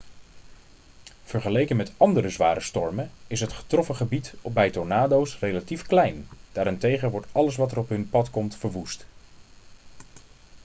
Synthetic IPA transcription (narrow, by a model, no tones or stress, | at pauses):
v̥əɹχəlejkənmɛtɑndərəzʋaːɾəstɔɹmənɪsɦətχə̥trɔfəχəbitbɛjtɔɹnaːdowsrejlatifklɛjnd̥aːɾɪntejχəʋɔɹtɑləs̬ʋɑtərɔpɦɵnpɑtkɔmtfəɹʋust